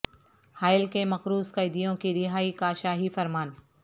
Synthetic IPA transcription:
haːɪlkemɐxɾuːzkɐɪd̪ijõkiɾɪɦaːikaːʃaːɦifɐɾmaːn

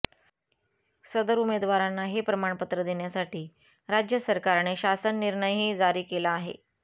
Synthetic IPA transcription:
səd̪əɾumed̪ʋaɾanːaɦepɾəmaɳ̃pət̪ɾəd̪eɳjasaʈiː | ɾad͡ʑjəsəɾkaɾɳeɕasənːiɾɳəjɦiːd͡zaɾiːkelaːɦḛ

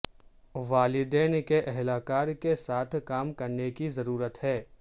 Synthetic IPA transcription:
ʋaːlɪd̪ɛːnkeʔɛɦlaːkaːɾkesaːt̪ʰkaːmkɐɾnekizɐɾuːɾət̪ɦɛː

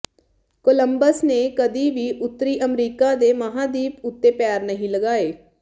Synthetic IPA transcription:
koːləmbəsneːkəd̪iːʋiːʔʊt̪ːəɾiːʔəmɾiːkaːd̪eːməɦãːd̪iːpʊt̪ːeːpaːɾnəɦĩːləɡaːeː

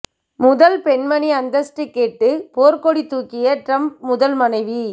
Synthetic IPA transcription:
mʊðɐlpɛɳmɐniɐnd̪ɐsʈɾɪkːeːʈːɯpoːɾkoɽit̪ːuːkːɪjɐʈɾɐmp̚mʊðɐlmɐnɐɪʋi

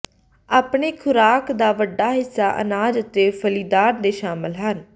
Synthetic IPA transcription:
aːpɳeːkʰʊɾaːkd̪aːʋəɖːaːɦɪsːaːʔə̰naːd͡ʒət̪eːpʰəliːd̪aːɾd̪eːʃaːməlɦən

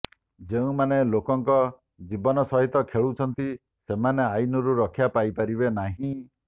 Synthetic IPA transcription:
d͡ʒeũmanelokɔŋkɔ | d͡ʒibɔnɔsɔɦit̪ɔkʰeɭut͡ʃʰɔnt̪i | semaneajnɔɾuɾɔkʰjapajpaɾiβenaɦĩ

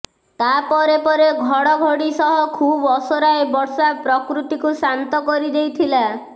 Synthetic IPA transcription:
t̪apɔɾepɔɾeɡʱɔɽɔɡʱoɽisɔɦɔkʰubɔsoɾaebɔɾsapɾɔkɾut̪ikusant̪ɔkɔɾid̪ejt̪ʰila

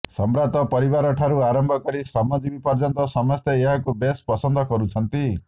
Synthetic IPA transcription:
sɔmbɾat̪ɔpɔɾibaɾɔʈʰaɾuaɾɔmbʱɔkɔɾisɾɔmɔd͡ʒibipɔɾd͡ʒɔnt̪ɔsɔmɔst̪eeɦakubespɔsɔnd̪ʱɔkɔɾut͡ʃʰɔnt̪i

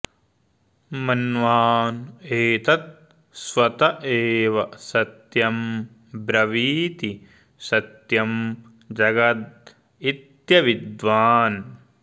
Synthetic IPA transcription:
mɐnʋaːneːt̪ɐt̪̚ | sʋɐt̪ɐʔeːʋɐsɐt̪jɐm | bɾɐʋiːt̪i | sɐt̪jɐm | d͡ʒɐɡɐt̪̚ | it̪jɐʋid̪ʋaːn

